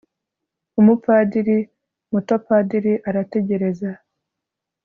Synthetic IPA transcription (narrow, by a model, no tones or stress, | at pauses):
umupadiɾi | mutopadiɾiʔaɾate̞ɟe̞ɾe̞za